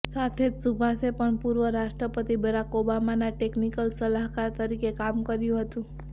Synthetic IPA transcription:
sat̪ʰed͡ʒsubʱasepəɳpuɾʋəɾaʃʈɾəpət̪ibəɾakobamanaʈeknikəlsəlaɦkaɾt̪əɾikekamkəɾjũɦət̪ũ

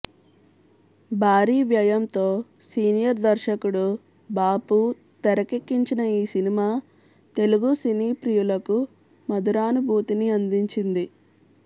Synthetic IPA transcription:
bʱaːɾiːʋjɐjɐmt̪o̞ː | siːnijɐɾd̪ɐɾʃɐkuɽu | baːpu | t̪ɛɾɐkekːiɲt͡ʃinɐiːsinimaː | t̪e̞luɡusiniːpɾijulɐku | mɐd̪uɾaːnubʱuːt̪iniɐnd̪iɲt͡ʃind̪i

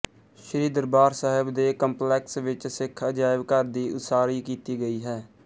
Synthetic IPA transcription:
ʃəɾiːd̪əɾbaːɾsaːɦɪbd̪eːkəmplɛːksʋɪt͡ʃsɪkʰəd͡ʒaːɪʋkəɾd̪iːʔʊt̪saːɾiːkiːt̪iːɡəiːɦɛː

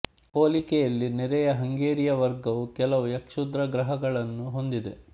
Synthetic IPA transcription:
poːlikɛjɐlːinɛɾɛjɐɦɐŋɡeːɾijɐʋɐɾɡɐʋukɛlɐʋujɐkʂud̪ɾɐɡɾɐɦɐɡɐɭɐnːuɦo̞nd̪id̪e̞̰

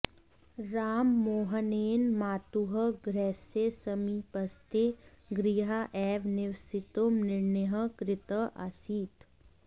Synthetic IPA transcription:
ɾaːmːoːɦəneːnmaːt̪uɦəɡɾɛːsesəmipɐst̪e | ɡɾiːɦaʔɛːʋnɪʋsɪt̪omnɪɾneɦəkɾɪt̪əʔa̰ːsiːt̪

